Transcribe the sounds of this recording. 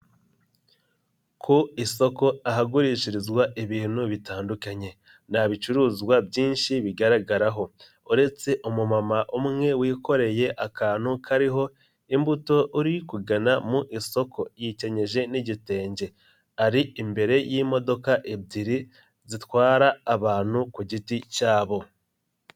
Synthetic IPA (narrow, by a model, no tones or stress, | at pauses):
kʰoiso̞ko̞aɦaɡuɾiːʃiɾizɡwaʔeβiːn̥huβitaːndukaɲe̞ | n̥haβit͡ʃuɾuːzɡwabɟiːnʃiβiɡaɾaɡaɾaɦo̞ | uɾe̞t͡se̞ʔumumamaʔumŋe̞wiːko̞ɾe̞je̞ʔakaːn̥hukʰaɾiɦo̞ | imbuto̞ʔuɾikuɡanamuʔiso̞kʰo̞jice̞ɲe̞ʒe̞niɟite̞ːɲɟe̞ | aɾiimbe̞ɾe̞jiːmo̞do̞kaʔebdiɾi | zitwaːɾaːβaːn̥hukuɟiticaːβo̞